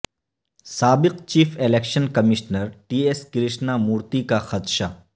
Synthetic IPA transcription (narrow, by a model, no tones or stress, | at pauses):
saːbɪqt͡ʃiːfʰeleːkʃənkɐmɪʃnəɾʈiːeskɾɪʃnamuːɾt̪ikaxɐt̪ʃa